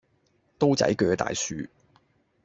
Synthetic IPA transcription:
t̪o˥wt͡sɐ̰˨˥jkœː˨˧t̪a̰ː˨jsyː˨˧

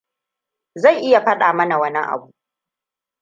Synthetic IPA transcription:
za˦˨jʔɪ˦ja˨ɸɐ˦ɗaː˨mɐ˦na˨wɐ˦ni˦ʔa̰˨buː˦˨˦ʔ

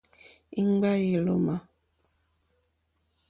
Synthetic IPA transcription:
i˦ŋ˦ɡ͡ba˦ji˨lo˨ma˨

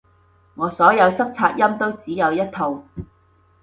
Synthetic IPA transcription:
ŋɔː˨˧sɔː˨˥jɐ˨˧wsɐ˥k̚t͡sʰaː˧t̚jɐ˥mt̪o˥wt͡siː˨˥jɐ˨˧wjɐ˥t̚t̪ʰo˨w

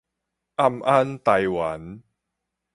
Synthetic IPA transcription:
ʔa˥˧mʔa˦˥nt̪a˧jwa˨˦n

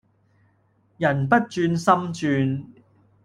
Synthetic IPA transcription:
jɐ˨˩npɐ˥t̚t͡ʃyː˧nsɐ˥mt͡ʃyː˧n

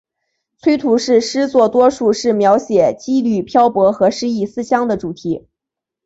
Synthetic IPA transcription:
t͡sʰwe˥ɪt̪ʰu˧˥ʂɻ̩˥˩ʂɻ̩˥t͡swɔ˥˩t̪wɔ˥ʂu˥˧ʂɻ̩˥˩mjɑ˧˥ʊɕjɛ˨˩t͡ɕi˥ly˥˩pʰjɑ˥ʊpwɔ˧˥xɤ˧˥ʂɻ̩˥i˥˩sɹ̩˥ɕjɑ˥ŋd̪ə˨ʈ͡ʂu˨˩t̪ʰi˧˥

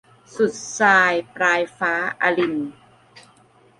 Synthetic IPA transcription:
su˨˩t̪̚saː˧jpɾaː˧jfaː˦˥ʔa̰˧li˧˩n

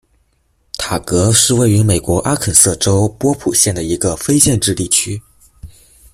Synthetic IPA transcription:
t̪ʰa˨˩kɤ˧˥ʂɻ̩˥˧we˥˩ɪy˧˥me˨˩ɪkwɔ˧˥ʔa˥kʰə˨˩nsɤ˥˩ʈ͡ʂo˥ʊpwɔ˥pʰu˨˩ɕjɛ˥˩nd̪ə˩i˧˥ɡə˧fe˥ɪɕjɛ˥˧nʈ͡ʂɻ̩˥˧li˥˩t͡ɕʰy˥

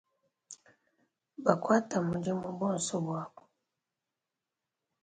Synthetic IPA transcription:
ba˨kwa˦ta˨mu˨ɟi˦mu˨boː˦nso˦bwaː˨ko̥

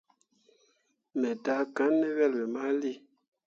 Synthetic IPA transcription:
mɛ˨ta˨˦ka˨˦nmɛ˦wɛ˦˨lwɛ˨ma˦li˦˨

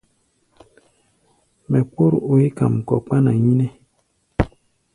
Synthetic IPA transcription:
mɛ˨k͡po˦ɾo˨e˦ka̰˨m˨kɔ̰˨k͡pa˦na˨ɲi˦ne˦

